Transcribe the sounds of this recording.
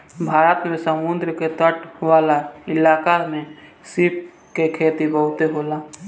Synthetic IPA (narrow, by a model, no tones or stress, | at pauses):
bʱaːɾət̪mẽsəmund̪ɾəket̪əʈʰʋaːlaɪlaːkamẽ | sɪp̚ | kekʰeːt̪ibəɦʊt̪eɦoːlaː